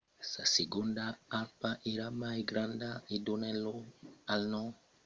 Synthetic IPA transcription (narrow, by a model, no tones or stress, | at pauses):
saseɡund̪aalpaʔeɾamajɡɾand̪aid̪uneloalno